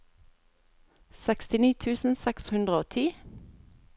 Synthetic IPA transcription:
sɛkst̪ɪniːt̪ʰʉːsn̩sɛkshʉnd̪ʁəoːt̪ʰiː

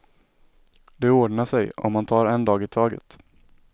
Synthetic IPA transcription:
d̪ɛoːɖɳaʂɛjɔ̰mːant̪ʰɑːɾɛnd̪ɑːɡɪt̪ʰɑːɡə̰t̪

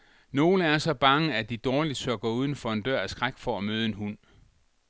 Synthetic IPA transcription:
no̝ːləæɐsɒ̽b̥ɑ̈ŋəæd̥id̥ɒːlid̥søɡ̥ɐuːð̞ˠn̩fɒ̽e̝nd̥ɶɐ̰æsɡ̥ʁaɡ̥fɒ̽æmøːð̞̩ˠe̝nɦun̰

